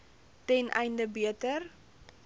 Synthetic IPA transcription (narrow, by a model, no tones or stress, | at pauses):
tɛnʔɛ̰jndəbiətər